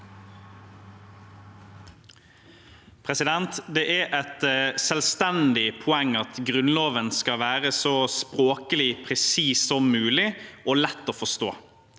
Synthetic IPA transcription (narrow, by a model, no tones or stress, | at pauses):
pʰʁɛsɪd̪ɛnt̪d̪ɛːʔæɾʔɛt̪sɛlst̪ɛnd̪ɪpʰʊɛŋɑt̪ɡʁʉnloːʋənskɑʋæːʁəsɔspɾoːkəlɪpʰɾɛsiːsɔmːʉːlɪʔoːlɛt̪ːoːfɔst̪o̰ː